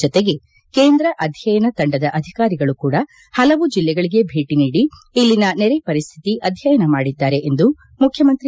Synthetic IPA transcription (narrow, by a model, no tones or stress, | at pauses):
ɔt̪eɡe̞ | keːnd̪ɾɐʔɐd̪ʱjɐjɐnɐt̪ɐɳɖɐd̪ɐʔɐd̪ʱikaːɾiɡɐɭukuːɽɐ | hɐlɐʋud͡ʒilːɛɡɐɭiɡe̞bʱe̞ːʈiniːɽiilːinɐnɛɾepɐɾist̪ʰi̥t̪iʔɐd̪ʱjɐjɐnɐmaːɽid̪ːaːɾe̞ʔend̪u | mukʰjɐmɐnt̪ɾi